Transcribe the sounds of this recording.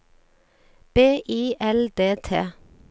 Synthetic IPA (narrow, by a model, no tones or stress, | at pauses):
b̥eːʔiːʔɛld̪eːt̪ʰḛː